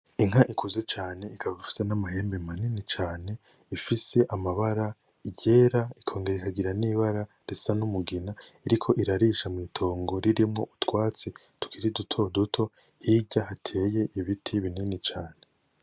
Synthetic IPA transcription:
iŋ̥aʔikʰuzet͡ʃaːne̞ikʰaβaufi̥senamahe̞ːmbe̞maninit͡ʃaːne̞ | ifise̞ʔamaβaɾa | iɟe̞ːɾaikʰo̞ːŋɡe̞ɾeikaɡiɾaniːβaɾa | ɾesanumuɡinaiɾikʰo̞ʔiɾaɾiʃamŋiːtʰo̞ːŋɡo̞ɾiɾimŋo̞̰ʔutwaːt͡situ̥kʰiɾidutʰo̞dutʰo̞ | hiɟahatʰe̞je̞ʔiβitʰiβininit͡ʃaːne̞

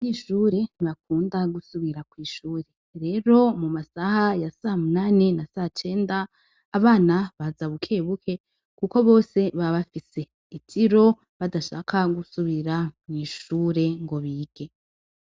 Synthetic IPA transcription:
ɲiːʃuːɾe̞niβak̚uːndaɡusuβiɾakwiːʃuːɾe̞ | ɾe̞ːɾo̞mumasahajasahamunaːnenasahat͡ʃe̞ːndaː | βaːnaβazaβukʰe̞ːβukʰe̞ | kuko̞βo̞ːse̞βaβafise̞ | itʰiɾo̞ | βadaʃa̰ːkʰaɡusuβiɾamŋiːʃuːɾe̞ŋɡo̞βiːɡ̥e̞

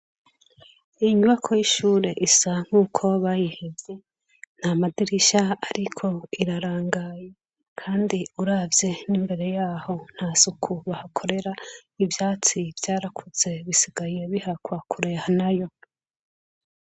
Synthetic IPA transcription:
iɲuβakʰojiʃuːɾe̞ʔisaŋ̥huːkʰo̞βajihevje̞ | n̥hamadiɾiʃaaɾikʰo̞iɾaɾaːŋɡaːje | kʰaːndiuɾaːvje̞niːmbe̞ɾe̞jaːho̞n̥hazukʰuβahakʰo̞ɾe̞ɾaivjaːt͡sivjaːɾakʰuz̥e̞βisiɡaje̞βihakwakʰuɾe̞hanajo̞

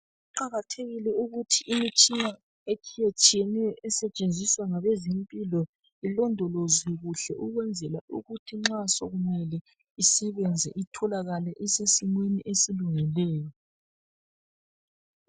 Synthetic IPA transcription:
uǃaɣatʰeɣilɛuɣutʰiʔːmit͡ʃʼina | et͡ʃʰijet͡ʃʼijɛnɛjɔʔɛsɛt͡ʃʼend͡zʱiswaŋaβɛzempʼilɔ | ilɔndʱɔloziɣuɬɛ̰ʔuɣwɛnd͡zʱɛlaʔṵɣutʰiŋ͡ǁasɔɣumɛlɛ | isɛβɛnd͡zʱɛ̰ʔitʰɔlaɣalɛʔɛsesimweniʔesiluŋilɛːjɔ

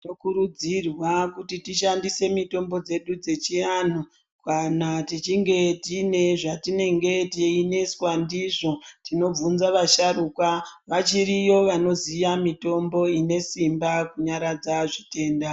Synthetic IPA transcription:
tokuɾud͡zirwakutitiʃandise̞mito̞mbo̞d͡ze̞ɗud͡ze̞t͡ʃian̤u | kanatit͡ʃiŋɡe̞tine̞ʐatine̞ŋɡe̞teine̞swandiʐo̞tino̞b͡vunzaʋaʃaruːkwaʋat͡ʃiɾijo̞ʋano̞zijamito̞mbo̞ine̞simbakuɲaɾad͡zaʐite̞ːnda

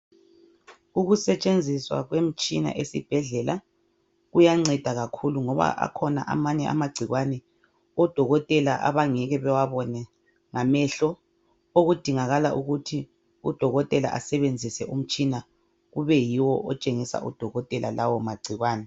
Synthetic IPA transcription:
uɣusɛt͡ʃʼend͡zʱiswa̰ɣwem̩t͡ʃʼina̰ʔesib̥ʱɛɮɛla | ɣujaŋ͡ǀɛd̥ʱaɣakʰuluŋɔβa̰ʔa̰kʰɔna̰ʔa̰maɲɛʔa̰maɡ͡ǀʱiɣwanɛ | ɔd̥ʱɔɣɔtʼɛlaʔa̰βaŋɛɣɛβɛwaβɔnɛ | ŋamɛɬɔ | oɣud̥ʱiŋaɣalaʔuɣutʰi | ud̥ʱɔɣɔtʼɛla̰ʔasɛβend͡zʱisɛʔum̩t͡ʃʼina | ɣuβɛjiwɔʔɔt͡ʃʼeŋisa̰ʔṵd̥ʱɔɣɔtʼɛlʔa̰lawɔmaɡ͡ǀʱiɣwaːnɛ

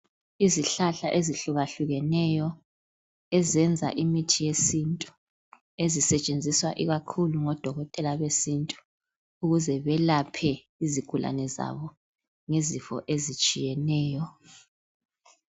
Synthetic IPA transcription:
iziɬaɬaʔeziɬuɣaɬuɣɛnɛjɔ | ɛzɛnd͡zʱa̰ʔimitʰijesintʼu̥ | ezisɛt͡ʃʼend͡zʱiswa̰ʔiɣakʰuluŋɔd̥ʱɔɣɔtʼɛlaβesintʼu̥ | uɣuzɛβɛlapʰɛ | iziɡ̥ʱulʔa̰nɛza̰βɔ | ŋezifɔ̰ʔezit͡ʃʼijɛnɛːjɔ

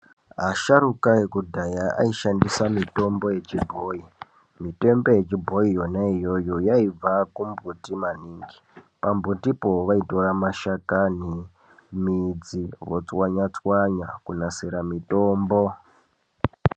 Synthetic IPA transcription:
ɦaʃarukaekudʱajaa̰iʃandisamito̞mbo̞je̞t͡ʃibʱoːi | mite̞mbo̞je̞t͡ʃibʱo̞ijo̞naijo̞jo̞jaib͡vakumbʱutimaniːŋɡi | pambʱutipo̞ʋaito̞ramaʃakani | mid͡ziʋot͡swaɲat͡swaɲakunaseɾamito̞ːmbo̞

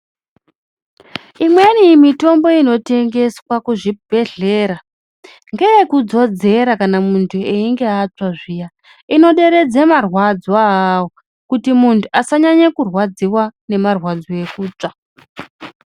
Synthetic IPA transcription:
imwenimito̞mbo̞ino̞te̞ŋɡe̞swakuʐibʱe̞ɮe̞ɾa | ŋɡejekud͡zo̞d͡ze̞ɾakanamuntʰueiŋɡe̞at͡ʂaʐija | ino̞ɗe̞ɾe̞d͡zemarwad͡zaɦwo | kutimuntʰuasaɲaɲekurwad͡ziwane̞marwad͡zoe̞kuːt͡ʂa

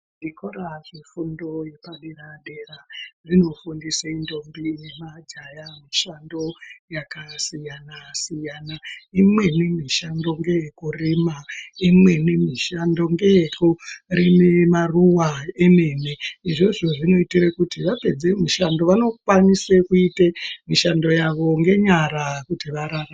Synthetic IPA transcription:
ndikoraʐifundo̞je̞paɗeraɗe̞rarino̞fundiseindo̞mbijemad͡ʒajamiʃando̞jakasijanasijanaimwe̞nemiʃando̞ŋɡe̞jekurimaimwenemiʃando̞ŋɡe̞kurinemaruwaeme̞neiʐo̞ʐo̞ʐino̞itirekutiʋape̞d͡zemiʃando̞ʋano̞kwanisekuitemiʃando̞jaʋo̞ŋɡe̞ɲaɾakutiʋaɾara

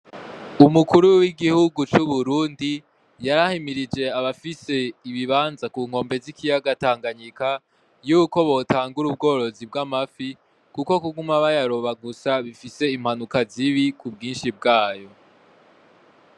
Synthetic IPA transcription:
umukuɾuwiɡihuɡut͡ʃuβuɾuːndi | jaɾahimiɾid͡ʒe̞aβafise̞iβiβaːnzakuːŋ̥ho̞ːmbe̞zikʰijaɡataːŋɡaɲika | juːko̞βo̞taːŋɡuɾub̚ɡo̞ːɾo̞zibɡamafi | kuko̞kuɡumaβajaɾo̞βaɡusaβifise̞im̥hanukaziβikub̚ɡiːnʃib̚ɡaːjo̞

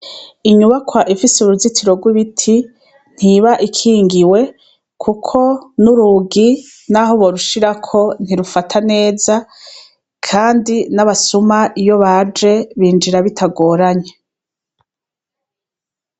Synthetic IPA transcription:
iɲuβakwaʔifisuɾuzitʰiɾo̞ɡwiβitʰi | n̥hiβaʔikʰiːŋɡiwe̞ | kʰukʰo̞nuɾuɡi | naɦo̞βo̞ɾuʃiɾakʰo̞n̥iɾufatʰane̞ːza | kʰaːndinaβasumaʔijo̞βad͡ʒe̞βiːnd͡ʒiɾaβitʰaɡo̞ːɾaɲe

